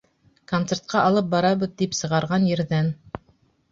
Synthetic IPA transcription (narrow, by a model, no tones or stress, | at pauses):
kont̪sert̪̚qʰɑʔɑlˠɤp̚bɑɾɑβɤ̆ðd̪ipsɤ̆ʁɑɾʁɑnjɘ̆ɾðæn